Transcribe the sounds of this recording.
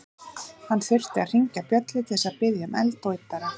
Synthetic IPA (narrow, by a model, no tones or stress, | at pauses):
hanːθɪr̥t̪ɪa̰ðr̥iɲcapjœt̪lɪt̪ʰɛsaðpɪðjamɛ̰lt̪oːjt̪aɾa